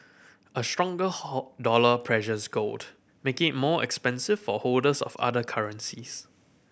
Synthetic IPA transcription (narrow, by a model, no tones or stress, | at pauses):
ʔəstɹɔ̃ŋɡədɔləpʰɹɛʃəsɡold | mekɪt̚mɔɛ̰kspɛ̃nsɪv̥fɔhodəsɔ̰fa̰dəkʰaɹə̃nsis